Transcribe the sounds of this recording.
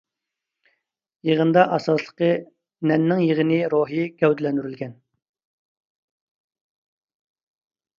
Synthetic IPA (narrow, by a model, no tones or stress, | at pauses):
jeʁənd̪ɑʔɑsɑslˠə̥qə | nɛnːɪŋjəʁənɪɾoɦiɡʲɛwd̪lɛnd̪yɾylɡʲɛn